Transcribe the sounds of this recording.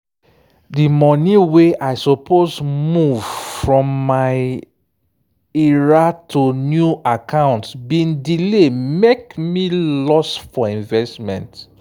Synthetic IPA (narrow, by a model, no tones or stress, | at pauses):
dimɔniweʔaɪsopʰozmuv̥fɹɔ̃mːaɪ | ɛɹatʰunjuakãʊ̃ntsbĩndilemekmilɔsfɔĩnvɛstmɛ̰̃nt